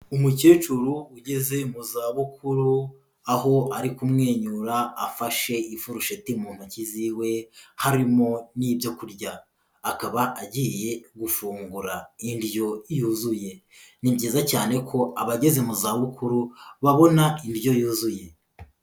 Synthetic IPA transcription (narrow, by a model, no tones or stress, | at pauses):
umuce̞ːt͡ʃuɾuuɟe̞ze̞muzaːβukuɾu | aho̞aɾikumŋe̞ːɲuɾaːfaʃe̞ifuɾuʃetimuːn̥huciziwe̞haɾimo̞niːbjo̞kuɾɟaː | kaβaʔaɟije̞ɡufuːŋɡuɾaindjo̞juːzuje̞ | nibɟiːzacaːne̞kʰo̞aβaɟe̞ze̞muzaːβukʰuɾuβaβo̞naindjo̞juːzuje̞